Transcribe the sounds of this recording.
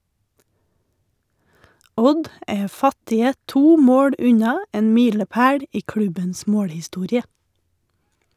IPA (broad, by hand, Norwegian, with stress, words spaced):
ˈɔd ˈeː ˈfɑtɪə ˈtuː ˈmoːɽ ˈʉɲɑ ˈeːn ˈmiːləˌpæːɽ ˈiː ˈkɽʉbəns ˈmoːɽhɪˌstuːɾɪə